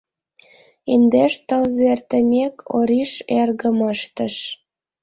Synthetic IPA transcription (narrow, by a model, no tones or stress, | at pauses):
end̪eʃt̪əlzert̪ə̆mʲekʰoɾiʃerɣə̆məʃt̪ə̆ʃ